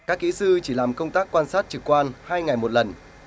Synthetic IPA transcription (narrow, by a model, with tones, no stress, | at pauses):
kaː˦˥kːḭ˧˥sɨ˧t͡ɕi˧˩laː˨˩mkə˧wŋ͡mt̪aː˦˥kːwaː˧nsaː˦˥t̚t͡ɕɨ˨˩kːwaː˧nhaː˧jŋa˨˩jmo˨˩t̚lə˨˩n